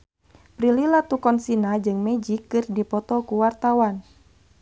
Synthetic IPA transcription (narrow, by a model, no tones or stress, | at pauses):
pɾililat̪ukɔnsinad͡ʒɨŋmɛd͡ʒikːɨrdipɔt̪ɔkuwart̪awan